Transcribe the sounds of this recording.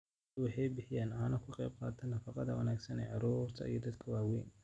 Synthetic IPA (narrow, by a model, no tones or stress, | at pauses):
wɑħɑjbɪħɪjaːnaːnɐkʰʊqɛjb̚qɑːt̪ʰɐnːɐfɑqɑðɐwɐnaːɡsɐnɛ̰ːʕɑɾuːrt̪ʰɐ̰ḭjɔd̪ɐd̪kʰɐwɑːwɛːn